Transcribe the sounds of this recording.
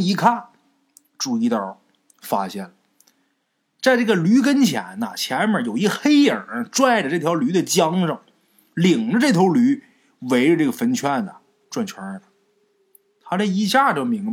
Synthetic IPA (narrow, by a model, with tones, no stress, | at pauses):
i˧˥kʰa˥˩n | ʈ͡ʂu˥˩i˧˥t̪jə˞˨˩ | fa̰˥ɕjɛ̰˥˩nlə˩ | t͡sa˥˧ɪʈ͡ʂɤ˥˩ɡə˩ly˧˥kə˥nt͡ɕʰjɛ̰˧˥nə̰˧t͡ɕʰjɛ˧˥nbə˞˨˥˩jo˨˩ʊi˧˥xe˥ɪə˨˩ʈ͡ʂwa˥˩ɪʈ͡ʂə˩ʈ͡ʂɤ˥˩t̪ʰjɑ˧˥ʊly˧˥d̪ə˨t͡ɕjɑ˥ŋʂə˥˩ŋ | li˨˩ŋʈ͡ʂə˦ʈ͡ʂɤ˥˩t̪ʰjo˧˥ʊly˧˥ | we˧˥ɪʈ͡ʂə˧ʈ͡ʂɤ˥˩ɡə˩fə˧˥nt͡ɕʰɥɛ˥˩nə˨ | ʈ͡ʂwa˥˩nt͡ɕʰwa˧˥ə˩ | tʰa˧˥la˥˩i˧˥ɕja˥˩ʈ͡ʂɤ˥˩ɡə˧mi˧˥ŋ